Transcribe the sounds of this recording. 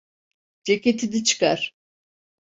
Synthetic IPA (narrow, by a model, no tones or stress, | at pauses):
d͡ʒecʲet̪ʰid̪it͡ʃʰɯ̥ka̰ɾ̥